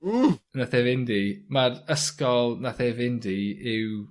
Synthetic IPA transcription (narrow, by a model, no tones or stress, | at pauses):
unaθɛvɪndimaɾəskɔlˠnaθevɪndiɪw